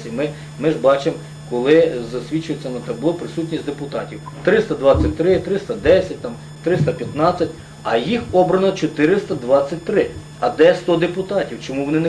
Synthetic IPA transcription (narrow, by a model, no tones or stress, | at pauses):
imɪ | mɪʒbɑt͡ʃem | kɔlˠɪzɐsʲʋʲit͡ʃʊjet͡sʲːɐnɐt̪ɐbʊlˠɔpɾɪsutʲnʲisʲd̪epʊt̪ɑtʲiw | t̪ɾɪst̪ɐd̪ʋɑt͡sʲːɐt̚ʲt̪ɾɪt̪ɾɪst̪ɐd̪ɛsʲɐt̚ʲt̪ɑm | t̪ɾɪst̪ɐpʲjɐt̪nɑt͡sʲːɐtʲ | ɐjixɔbɾɐnɔt͡ʃɔt̪ɪɾɪst̪ɐd̪ʋɑt͡sʲːɐt̚ʲt̪ɾɪ | ɐd̪ɛst̪ɔd̪epʊt̪ɑtʲiwt͡ʃɔmuʋɔnɪne